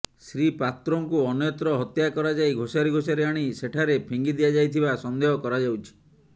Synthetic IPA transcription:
sɾipat̪ɾɔŋkuɔnjɔt̪ɾɔɦɔt̪jakɔɾad͡ʒajɡʱosaɾiɡʱosaɾiaɽ̃iseʈʰaɾepʰiŋɡid̪ijad͡ʒajt̪ʰibasɔnd̪eɦɔkɔɾad͡ʒawt͡ʃʰi̥

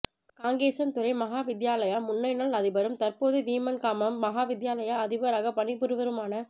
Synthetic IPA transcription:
kaːŋɡeːsɐnt̪ʊɾɐɪmɐɦaːʋɪd̪jaːlɐjaːmʊnːɐɪnaːɭɐðɪbɐɾɯmt̪ɐrpoːðɯʋiːmɐnkaːmɐmːɐɦaːʋɪðjaːlɐjaɐðɪbɐɾaːɣɐpɐɳɪpːɯɾɯʋɐɾɯmaːnɐ

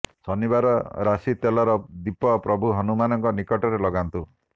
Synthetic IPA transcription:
sɔnibaɾɔɾasit̪elɔɾɔd̪ipɔpɾɔbʱuɦɔnumanɔŋkɔnikɔʈɔɾelɔɡant̪u

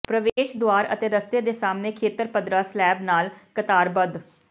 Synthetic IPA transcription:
pɾəʋeːʃd̪ʊaːɾət̪eːɾəst̪eːd̪eːsaːmneːkʰeːt̪əɾpəd̪ɾaːslɛːbnaːlkət̪aːɾbəd̪

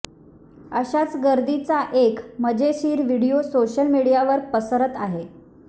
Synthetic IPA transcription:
əɕat͡sɡəɾd̪it͡saʔekməd͡ʑeɕiːɾʋiɽijosoɕəlmiɽijaʋəɾpəsəɾət̪aɦe

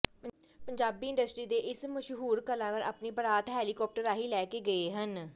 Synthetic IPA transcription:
pəɲd͡ʒaːbiːɪ̃ɳɖəsʈɾiːd̪eːʔɪsməʃɦuːɾkəlãːkəɾa̰ːpniːbəɾaːt̪ɦɛːliːkɔːp̚ʈəɾaːɦiːlɛːkeːɡəeːɦən

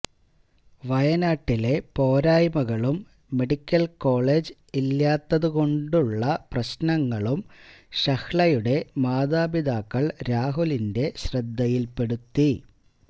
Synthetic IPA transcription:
ʋɐjɐnaːʈːile̞po̞ːɾaːjmɐɣɐɭumː | e̞ɽikʲːɐlko̞ːɭe̞ːd͡ʑɨ | ilːaːt̪ːɐðuɣo̞ɳɖuɭːɐprɐɕnɐŋːɐɭumɕɐxɭɐjuɽe̞maːðaːbid̪aːkːɐɭɾaːɦulinde̞ɕrɐd̪ʱːɐjilpe̞ɽut̪ːi

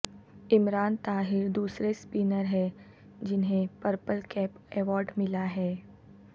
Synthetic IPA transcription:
ɪmɾaːnt̪aːɦɪɾd̪uːsɾespiːnəɾɦɛ | d͡ʒɪnɦẽpəɾpəlkɛːpɛːʋɔːɾɖmɪlaɦɛː

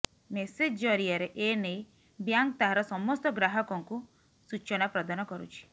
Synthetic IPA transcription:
mesed͡ʒd͡ʒɔɾiaɾeʔenej | bjaŋk̚t̪aɦaɾɔsɔmɔst̪ɔɡɾaɦɔkɔŋku | sut͡ʃɔnapɾɔd̪anɔkɔɾṵt͡ʃʰi̥

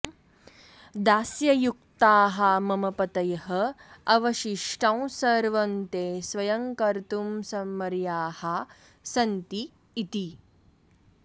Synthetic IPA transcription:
d̪aːsjɐjuk̚t̪aːɦɐmɐmɐpɐt̪ɐjɐɦɐɐʋɐʃiʂʈʰɐ̃w̃sɐɾʋɐnt̪eːsʋɐjɐŋkɐɾt̪umsɐmːɐɾjaːhɐ | sɐnt̪iː | t̪i

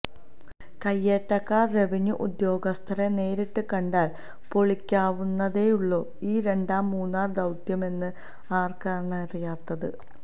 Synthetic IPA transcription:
kɐjːeːʈːɐkːaːre̞ʋiɲuʔud̪jo̞ːɡɐst̪ʰɐɾene̞ːɾiʈːɨkɐɳɖaːl | po̞ɭikʲːaːʋunːɐðe̞juɭːo̞ː | iːɾe̞ɳɖaːmːuːnːaːrd̪ɐwt̪jɐme̞nːɨ | aːrkaːɾɐɳɐɐrijaːt̪ːɐðɨ̰

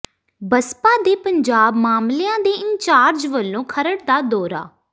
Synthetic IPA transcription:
bəspaːd̪eːpəɲd͡ʒaːbmaːmlɪjãːd̪eːɪɲt͡ʃaːɾd͡ʒʋəlːõːkʰəɾəɽd̪aːd̪ɔːɾa̰ː

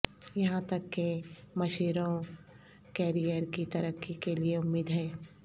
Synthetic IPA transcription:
jɐɦãt̪ɐkːemɐʃiːɾõ | kɛːɾijəɾkit̪ɐɾəkːikelieʊmːiːd̪ɦɛː

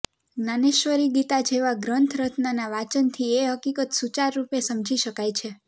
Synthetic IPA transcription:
naneʃʋəɾiɡit̪ad͡ʒeʋaɡɾənt̪ʰɾət̪nanaʋat͡ʃənt̪ʰieɦəkikət̪sut͡ʃaɾːupesəmd͡ʒʱiʃəkajt͡ʃʰe

